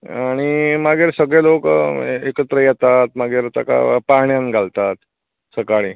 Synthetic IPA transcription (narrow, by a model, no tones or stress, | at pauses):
aɽ̃imaɡeɾsəɡɭelokekət̪ɾəjɛt̪at̪maɡeɾt̪a̰ka̰paɳjanɡʱalt̪at̪ | səkaɭiː